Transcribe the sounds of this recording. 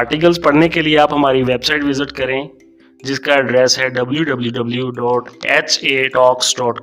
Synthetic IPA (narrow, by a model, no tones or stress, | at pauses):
aːɾʈik̬əlzpɐɽnekelieaːpɦɐmaːɾiʋeːbsaːɪʈʋɪzɪʈkɐɾẽː | d͡ʒɪskaɐɖɾɛːsɦɛːɖɐbljuɖɐbljuɖɐbljuɖɔːʈɛːt͡ʃeːʈɔːksɖɔːʈ